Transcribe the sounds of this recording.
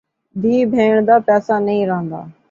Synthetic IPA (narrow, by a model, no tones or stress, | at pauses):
d̪ʱiːbʱeːɳ̃d̪aːpɛːsaːnəĩːɾəɦə̃nd̪a̰ː